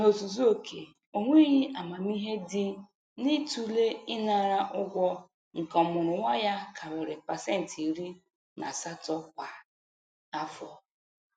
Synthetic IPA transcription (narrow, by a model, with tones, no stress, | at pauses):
no˨tu˨zu˦o˨kʰe˨ | o˨ŋʷe˦i˦ɦi˦ʔa˨ma˨m˦i˦ɦe˦dɪ˨ | ni˦tu˨le˦ɪ˦na˨ɾa˦ʔʊ˦ɡʷɔ˦ | ŋ̩˨kɔ˨mʊ˨ɾʊ˨wʷa˦ja˦kʰa˨bɪ˨ɾe˨pa˨se˦n̩˨ti˨ɾi˦ | na̰˨sa˦tɔ˦kʷa˨ | a˦fɔ˨